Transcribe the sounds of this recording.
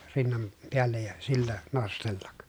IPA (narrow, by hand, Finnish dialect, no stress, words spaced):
rinːɑn peælːej jɑ silːæ nostelːɑk